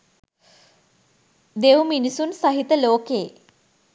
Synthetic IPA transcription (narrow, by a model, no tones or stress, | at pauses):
d̪ewminisunsaɦit̪əloːkeː